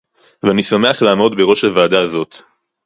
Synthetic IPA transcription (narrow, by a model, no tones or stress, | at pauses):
veanisame̞aχlaːmo̞d̪be̞ʁo̞ʃhavaːd̪azo̞t̪